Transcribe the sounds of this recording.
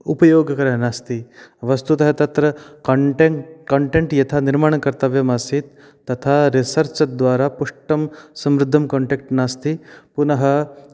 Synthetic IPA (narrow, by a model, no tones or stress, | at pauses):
upɐjoːɡɐkɐɾɐɦɐnaːst̪iʋɐst̪ut̪ɐɦɐt̪ɐt̪ɾɐʈkɐɳʈeɳʈjɐt̪ʰaːniɾmaːɳɐkɐɾt̪ɐʋjɐmaːsit̪ː | ɐt̪ʰaːɾisɐɾt͡ʃɐd̪ʋaːɾaːpuʂʈɐmsɐmɾɪd̪ʱːɐmkoːɳʈek̚ʈnaːst̪ipunɐɦɐ̆